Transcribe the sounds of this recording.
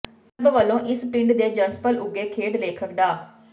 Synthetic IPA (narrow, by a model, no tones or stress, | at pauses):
əbʋəlːõːʔɪspɪ̃ɳɖd̪eːd͡ʒənspəlʊɡeːkʰeːɖleːkʰəkd̪aː